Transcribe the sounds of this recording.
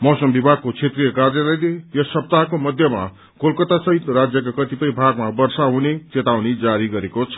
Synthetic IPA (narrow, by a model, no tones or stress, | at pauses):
mʌsʌmbibʱaɡ̚kot͡sʰet̪rijʌkarjʌlajlejʌsʌp̚t̪aɦkomʌd̪ʱjʌma̰ | kolkʌt̪asʌɦit̪ɾad͡zjʌk̬akʌt̪ipʌjbʱaɡmabʌrsaɦunet͡set̪awnid͡zaɾiɡʌɾekot͡sʰʌ̥